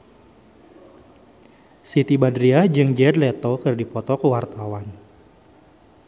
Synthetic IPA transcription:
sit̪ibadɾiad͡ʒɨŋd͡ʒɛd̪lɛt̪ɔkɨrdipɔt̪ɔkəwart̪awan

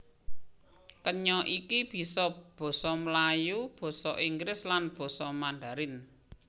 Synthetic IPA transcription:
kəɲɔʔikib̥i̤sɔb̥ɔ̤sɔməlajub̥ɔ̤sɔʔiŋɡɾɪslanb̥ɔ̤sɔmanɖ̪a̤ɾɪn

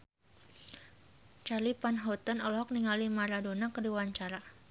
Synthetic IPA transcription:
t͡ʃalipanɦɔt̪ənɔlɔɦɔk̚niŋalimaɾadonakədiwaɲt͡ʃaɾa

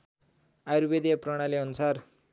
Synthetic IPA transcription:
ajɾubed̪iaprʌɽ̃aleʌnusar

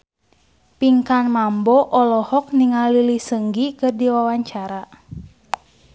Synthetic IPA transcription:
piŋkanmambɔʔɔlɔhɔk̚niŋalilisəŋɡikɨrdiwawaɲt͡ʃaɾa

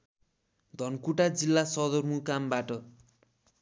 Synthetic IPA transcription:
d̪ʱʌnkuʈad͡zilːasʌd̪ʌrmukambaʈʌ

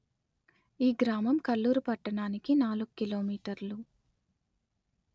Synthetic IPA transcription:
iːɡɾaːmɐmkɐlːuːɾupɐʈːɐɳaːnikinaːluɡukilo̞ːmiːʈɐɾlu

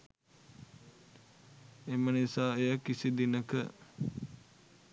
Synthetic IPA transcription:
emənisaːejakːisid̪inəkə

